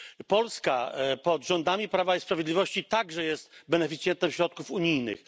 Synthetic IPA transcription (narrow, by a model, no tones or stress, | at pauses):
pɔlska̰pɔd̪ʐɔnd̪amʲipɾavaispɾavʲjed̪lʲivɔɕt͡ɕit̪aɡʐɛjɛst̪bɛnɛfʲit̪sjɛnt̪ɛmɕɾɔt̪̚kufuɲijnɘ̰x